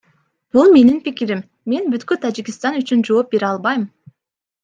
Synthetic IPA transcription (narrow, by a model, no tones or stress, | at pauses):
b̥ulˠme̞ninpikiɾimːe̞nbyt̪kyt̪ʰad͡ʒikist̪ɑnyt͡ʃynd͡ʒo̞ːp̚be̞ɾɑlˠbɑjm